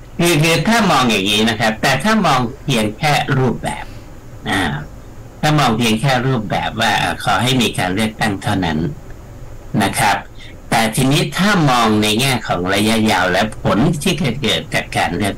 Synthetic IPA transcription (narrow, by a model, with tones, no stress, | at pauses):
kʰɯː˧kʰɯː˧t̪ʰaː˥˩mɔː˧ŋja˨˩ŋːiː˦˥na˦˥kʰa˦˥p̚t̪ɛː˨˩t̪ʰaː˥˩mɔː˧ŋpʰiː˧əŋkʰɛː˥˩ɾuː˥˩p̚bɛ̰ː˨˩p̚ | ʔaː˨˩ | t̪ʰaː˥˩mɔː˧ŋpʰi˧əŋkʰɛː˥˩ɾuː˥˩p̚bɛ̰ː˨˩p̚waː˥˩ʔa̰ː˨˩kʰɔː˩˦ɦa˥˩jmiː˧kaː˧nlɯ˥˩ək̚t̪a˥˩ŋt̪ʰa˥˩wna̰˦˥nː | a˦˥kʰɾa˦˥p̚ | t̪ɛː˨˩t̪ʰiː˧niː˦˥t̪ʰaː˥˩mɔː˧ŋna˧jŋɛː˥˩kʰɔ̰ː˩˦ŋɾa˧ja˦˥jaː˧wlɛ˦˥pʰo˩˦nt̪ʰiː˥˩t͡ɕa˧kɤː˨˩t̪̚t͡ɕaː˨˩kːaː˧nlɯ˥˩ə